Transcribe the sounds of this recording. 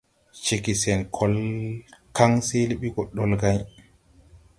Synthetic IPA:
t͡ʃe˨ki˨sɛ˨nkʰɔ˦l | ka˦ŋse˦li˦ɓi˦ɡɔ˨ɗːɔ˨lɡa˦j

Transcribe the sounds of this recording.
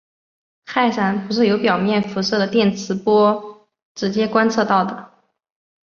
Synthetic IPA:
kʰa˥˩ɪʂa˧˥npu˧˥ʂɻ̩˥˩jo˧˥ʊpjɑ˨˩ʊmjɛ˥˩nfu˧˥sɤ˥˩d̪ə˩t̪jɛ˥˩nt͡sʰɹ̩˧˥pwɔ˥ | ʈ͡ʂɻ̩˧˥t͡ɕjɛ˥kwa˥nt͡sʰɤ˥˧t̪ɑ˥˩ʊd̪ə˩

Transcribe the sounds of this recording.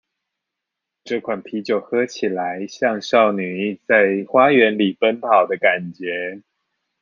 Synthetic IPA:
ʈ͡ʂɤ˥˩kʰwa˨˩npʰi˧˥t͡ɕjo˨˩ʊxɤ˥t͡ɕʰi˨˩la˧˦ɪɕjɑ˥˧ŋɕɑ˥˩ʊny˨˩˥t͡sa˥˧ɪxwa˥ɥɛ˨˧˦nli˨˩pə˦npʰɑ˨˩ʊd̪ə˦ka˨˩nt͡ɕjɛ˨˧˥

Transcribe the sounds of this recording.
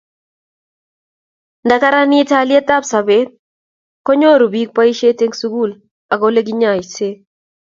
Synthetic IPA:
nda˨ka˦ɾa˦nɪ˦ta˦lɪ˦ɛ˦t̪a˦psa˨be˦t̪̚ | kɔ˦ɲo˦˨ɾo˨bi˦k̚pa˦i˦ʃe˦te˦ŋsu˦ɡu˦˨l | a˨ɡo˦le˦ɡɪ˦ɲa˨i˨se˦

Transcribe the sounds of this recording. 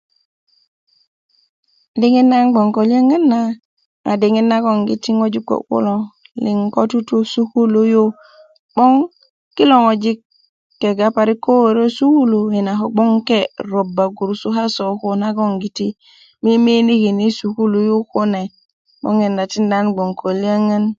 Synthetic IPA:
di˦ŋi˦nːa˦nɡ͡bo˨ŋko˨le˦ŋe˦nːa˦ | ŋa̰˨di˨ŋi˦nːa˦ɡo˨ŋɡḭ˨ti˦ŋo˦d͡ʒi˦kːo̰˨kṵ˦lo˦˨ | li˨ŋko˦tu˦tu˦su˦ku˦lo˦jo˦ | ɓo˦ŋ | ki˦lo˨ŋo˨d͡ʒi˦kː | e˨ɡa˦pa˨ɾi˦ko˦wo˨ɾo˦su˦ku˦lo˨ji˨na˨ɦo˦ɡ͡bo˦ŋke˦˨ɾo˨ba˨ɡu˨ɾsu˦ɦa˦so˨ko˨na˦ɡo˦ŋɡi˨ti˦ | mi˦mi˦ni˦ki˨ni˦su˨ku˦lo˨jo˦ko˦ne˨ | ɓo̰˦ŋe˨nda˨ti˦nda˦nɡ͡bo˨ŋkʰo˨li˦a˦ŋə˦n

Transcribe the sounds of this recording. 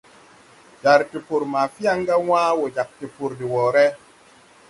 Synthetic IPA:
d͡ʒa˨ɾti˨pu˨ɾma˨fi˦a˦ŋɡa˦wã˦wo˨d͡ʒa˨k̚ti˨pu˨ɾdi˨wɔ˨ɾɛ˦

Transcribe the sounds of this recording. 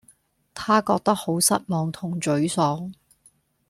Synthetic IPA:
t̪ʰaː˥kɔː˧k̚t̪ɐ˥k̚ho˨˥wsɐ˥t̚mɔː˨ŋt̪ʰʊ˨˩ŋt͡ʃɵ˨˥ɥsɔː˨˥ŋ

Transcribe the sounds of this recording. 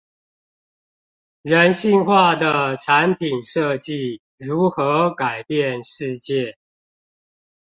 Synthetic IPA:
ɻə˨˦nɕi˥˧ŋxwa˥˩d̪ə˩ʈ͡ʂʰa˧˦npʰi˨˩nʂɤ˥˧t͡ɕi˥˨ | ɻu˨˥xɤ˧˦ka˨˩ɪpjɛ˥˨nʂɻ̩˥˧t͡ɕjɛ˥˨

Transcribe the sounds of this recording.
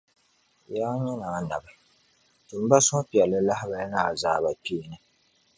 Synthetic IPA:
jaː˦ɲɛ˦naː˨na˨bɨ˨ | tɨ˨m̩˦ba˦sʊ˦pi˨ɛ˨lɨ˦la˦hɪ˦ba˦na˦˨zaː˨ba˨piː˦˨nɨ˨

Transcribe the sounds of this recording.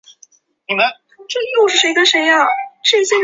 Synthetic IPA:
ni˨˩mə˦n | ʈ͡ʂɤ˥˧˥jo˥˧ʊʂɻ̩˥˩ʂe˧˥ɪd̪ə˧ʂe˧˥ɪa˥˩ʈ͡ʂɤ˥˧i˧˥se˥˩

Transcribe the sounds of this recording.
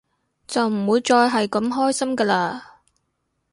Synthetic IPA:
t͡sɐ˨wm̩˨˩mwuː˨˧˥jt͡sɔː˧jɦɐ˨jkɐ˨˥mɦɔː˥jsɐ˥mkaː˧laː˧

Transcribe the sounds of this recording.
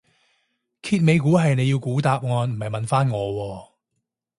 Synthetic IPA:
kʰiː˧t̚me˨˧jkuː˨˥ɦɐ˨jne˨˧ji˧wkuː˨˥t̪aː˧p̚ŋɔː˨˧nm̩˨˩hɐ˨jmɐ˨nfaː˥nŋɔː˨˧wɔː˧

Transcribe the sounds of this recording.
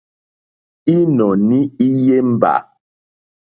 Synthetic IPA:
i˦nɔ˨ni˦i˦je˦m̩˦ba̰˨

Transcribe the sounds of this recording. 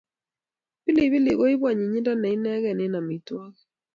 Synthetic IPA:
pɪ˦lɪ˨bɪ˦lɪ˨ɣo˦i˦bwa˨ɲi˨ɲɪ˦da˦nɛ˨i˦nɛ˦ɡɛ˨nɪ˨˦na˨mi˨twa˦k

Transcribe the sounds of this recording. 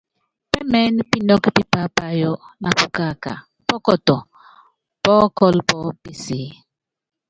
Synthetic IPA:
pɛ˦mɛ˦n˦pi˦nɔ˦kpi˦pa˦pa˨jɔ˦na˨pu˦ka˦˨ka̰˨ | pɔ˦kɔ˨tɔ˨ | pɔː˦kɔ˦lpɔ˦pi˨si˨˦

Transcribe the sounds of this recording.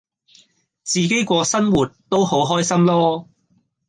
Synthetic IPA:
t͡siː˨ke˨˥jkʷɔː˧sɐ˥nwuː˨˩t̚t̪o˥who˨˥wɦɔː˥jsɐ˥mlɔː˥

